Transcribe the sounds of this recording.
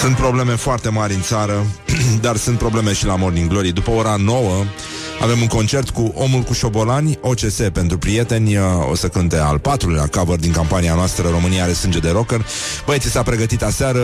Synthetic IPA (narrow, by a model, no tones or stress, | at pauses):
sunt̪pɾo̞ble̞me̞foart̪e̞maɾʲɨnt̪saɾəd̪arsunt̪̚pɾo̞ble̞me̞ʃilamo̞rd̪iŋɡlo̞ɾijd̪upəo̞ɾano̞wə | a̰ve̞muŋko̞nt͡ʃe̞rt̪kuʔo̞mulkuʃo̞bo̞lanʲo̞t͡ʃe̞se̞pe̞nt̪ɾupɾije̞t̪e̞nʲo̞̰səkɨnt̪e̞a̰lpat̪ɾulujlakavərd̪iŋkampanianoast̪ɾəɾo̞mɨniale̞sɨnd͡ʒe̞d̪e̞ɾo̞kər | bəjt̪sisapɾe̞ɡət̪it̪aseaɾə